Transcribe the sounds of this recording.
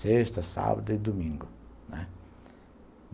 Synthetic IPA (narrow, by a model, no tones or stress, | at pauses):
seʃt̪ɐsa̰bɐd̪ɐid̪umĩŋɡʊnɛ